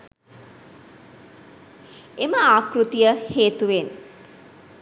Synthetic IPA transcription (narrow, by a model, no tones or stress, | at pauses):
eməaːkrut̪ijəheːt̪uʋen